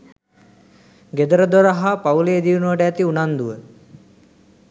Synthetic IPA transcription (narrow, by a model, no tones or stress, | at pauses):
ɡed̪əɾəd̪oɾəɦapauleed̪iʋunuʋəʈəæt̪iunand̪uʋə